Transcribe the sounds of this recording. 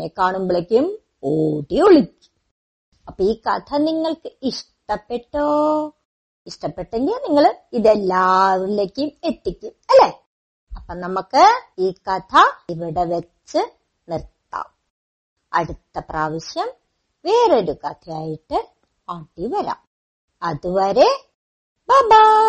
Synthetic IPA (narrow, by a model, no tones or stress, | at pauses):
ekːaːɳumboɭekʲːjum | oːɽioɭikʲːu̥m | ɐpːoːiːkɐ̰t̪ʰɐniŋːɐɭkɨiʂʈɐpːeʈːoː | iʂʈɐpːeʈːeŋɡilniŋːɐɭiðelːaːʋulːeːkʲːejume̞t̪ːikʲːumɐlːe | ɐpːonɐmukːɨiːkɐt̪ʰɐiʋiɽe̞ʋɐt͡ɕːɨ | nirt̪ːa̰ːm | ɐ̰ɽut̪ːɐpraːʋiɕjɐm | ʋe̞ːroɾukɐt̪ʰɐjaːjiʈːɨ | aːʈːiʋɐɾa̰ːm | ɐðuʋɐɾe̞ | baːba